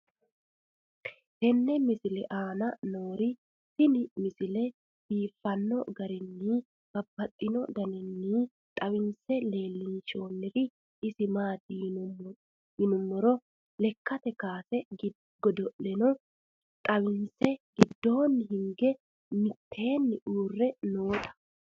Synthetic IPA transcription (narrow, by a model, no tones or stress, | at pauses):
hɛnːɛmɪsɪlɛʔaːnɐnoːɾɪ | sɪnɪmɪsɪlɛ | b̥iːfːɐnːɔɡɐɾɪnːiː | b̥ɐbːɐt̪ʼːɪnɔd̪ɐnɛnːiː | t̪ʼɐwɪnsɛle̞ːlːɪnʃo̞ːnːɪɾɪ | ɪsɪmaːd̪i | hɪnʊmːɔɾɔ | lɛkːɐt̪ɛkaːsɛɡ | ɡɔd̪ɔʔlɛnɔ | t̪ʼɐwɪnsɛɡɪd̪ːo̞ːnːɦɪŋɡɛ | mɪt̪ʰːe̞ːnːɪʔuːrːɛnoːt̪ʼɐ̥